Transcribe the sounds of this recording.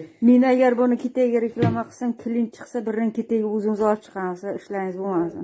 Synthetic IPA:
menaɡʲaɾbʊnɪkʲʰet̪aɡʲaɾekʲlamaqʰɨ̥samkʲʰɪlɪnt͡ʃʰɨ̥qsabɪɾnɪŋkʲʰet̪aɡʲaʊzɪmzɒlp̚t͡ʃʰɨ̥qʰɑnsaɪʃlaŋɪzbomasd̪ɪm

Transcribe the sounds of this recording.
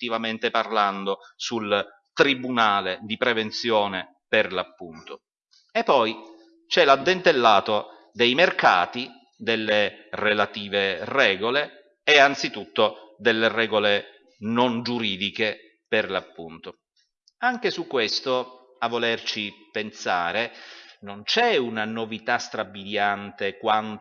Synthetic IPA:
t̪ivament̪eparland̪osul | t̪ɾibunaːled̪ipɾevent̪sjɔːne | perlapːunt̪o | epːɔj | t͡ʃɛlad̪ːent̪elːaːt̪o | d̪ejmerka̰ːt̪i | d̪elːerelat̪iːverɛːɡoleː | ant̪sit̪ut̪ːod̪elːerɛːɡole | nond͡ʒuɾiːd̪ike | perlapːunt̪o | aŋk̟esukːwest̪o | avːolert͡ʃipensa̰ːɾenont͡ʃɛunanovit̪ast̪ɾabːid̪jant̪ekwan

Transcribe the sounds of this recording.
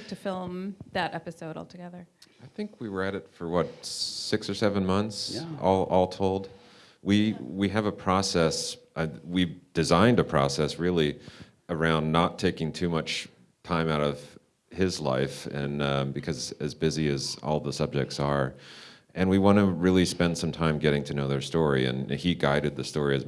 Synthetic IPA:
tʰɨfɪlˠmðɨɾʔɛpɨsoʊɾɔ̰lˠtʰɨɡɛðə˞aɪθɪ̃ŋkʰwiwə˞ɨɾɨtfə˞wʌt̚sɪksə˞sɛvə̃nmʌ̃nθsɔlˠʔɔlˠtʰoʊlˠd | wiwiɨvəpʰɹ̥ɔsɛsʔawid̥ɨzãɪ̃ndɨpʰɹ̥ɔ̰sɛsɹɪlˠi | ə˞ãʊ̃nːətʰeɪkɪ̃ŋtʰʉmʌt͡ʃ | tʰãɪ̃maʊɾʌv̥ | hɪzla̰ɪfɨ̃nbɨkʰʌzɨzbɪziɨzɔ̰lˠðəsʌb̚d͡ʒɨk̚tsə˞ʔɨ̃nwiwɑ̃nəɹɪlˠispɛ̃nd̥sʌ̃mtʰãɪ̃mɡɛɾɪ̃ŋtʰɨnoʊðə˞stɔɹiɨ̰̃niɡaɪɾɨd̪̚ðɨstɔɹiɨz

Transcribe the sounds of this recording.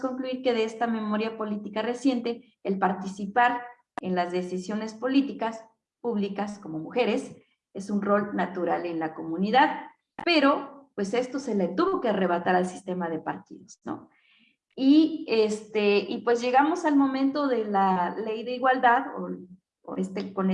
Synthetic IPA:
ko̞ŋkluiɾke̞ðeest̪ame̞mo̞ɾjapo̞lit̪ikare̞sje̞nt̪e̞ | elpaɾt̪isipaɾ | enlazðe̞sisjo̞ne̞spo̞lit̪ikas | puβlikasko̞mo̞muxe̞ɾe̞s | e̞sunro̞lnat̪uɾale̞nlako̞mũniðað | pe̞ɾo̞pwe̞se̞st̪o̞se̞let̪uβo̞keare̞β̞at̪aɾalsi̥st̪e̞maðe̞paɾt̪ḭðo̞sno̰ | iest̪eʔipwe̞zʝe̞ɣamo̞salmõ̞mẽnt̪o̞ðe̞lale̞jðe̞iɣwald̪aðo̰ | o̰est̪ekon

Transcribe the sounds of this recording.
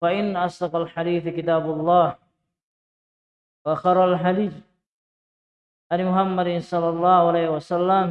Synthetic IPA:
faʔɪnːaʔɑsd̪ɑqalħad̪iːθkɪt̪aːbʊlˤːɑːh | waxɑɾˤɑlħadiː | ʔanmʊhamːad̪ɪsˤɑlːɑlˤːɑːhʊalaːhwasalːam

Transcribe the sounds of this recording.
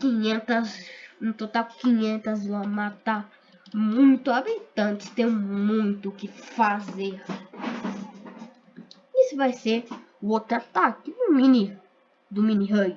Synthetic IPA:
kĩɲẽnt̪ɐzẽt̪ot̪awkĩɲẽnt̪ɐzlãmat̪a | mũj̃t̪uabit̪ɐ̃nt͡ʃ̪ɪ̥st̪ẽj̃mũj̃t̪ʊkɪfazeɾ | isʊvajseɾuot̪ɾat̪akɪd̪umĩni | d̪umĩniɦoj

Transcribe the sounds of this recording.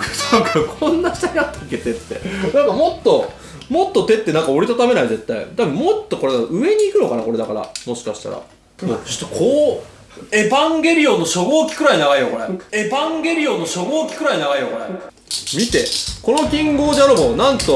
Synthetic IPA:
skakʰõ̞nːaɕi̥t̪aɲʲiat̪ːaokʲːe̞t̪e̞t̪ːe̞nãŋkamo̞t̪ːo̞ | mo̞t̪ːo̞t̪e̞t̪ːe̞nãŋkao̞ɾit̪at̪ame̞naize̞t̪ːaḭt̪abɯ̟̃mo̞t̪ːo̞ko̞ɾed̪aɯ̟e̞ɲ̟iːkɯno̞kana̰koɾe̞d̪akaɾa̰mo̞ɕi̥kaɕi̥t̪a̰ɾa̰ | mot͡ɕo̥t̪ːokʰoː | e̞bãŋɡʲe̞ɾʲiõ̞nːoɕo̞ɡoːkʲi̥kɯ̟ɾainaɡaijokoɾee̞bãŋɡe̞ɾʲio̞nːoɕo̞ɡoːkʲi̥kɯ̟ɾainaɡaijoko̞ɾe | mʲit̪e̞̰ko̞no̞kʲĩŋɡo̞ːdeaɾɯbonãnt̪o̞

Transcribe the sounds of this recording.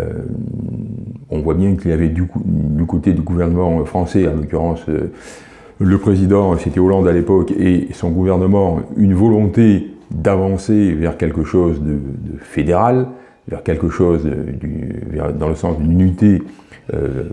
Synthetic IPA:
ø̰ | ɔ̃vwabjɛ̃kiljavɛd̪yd̪ykot̪ed̪yɡuvɛʁnəmɑ̃fχɑ̃sɛɑ̃lɔkʲyʁɑ̃sø̰ | ləpχezid̪ɑ̃set̪ɛolɑ̃d̪alepɔkesɔ̃ɡuvɛʁnəmɑ̃ynvɔlɔ̃t̪ed̪avɑ̃sevɛʁkʲɛlkəʃozd̪əd̪əfed̪eʁal | vɛ̰ʁkʲɛlkəʃozəd̪y̰vɛ̰ʁd̪ɑ̃ləsɑ̃sd̪ynnɥit̪eø̰

